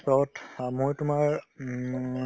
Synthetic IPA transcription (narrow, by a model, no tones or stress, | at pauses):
pɔɔtmojtʊmaɹ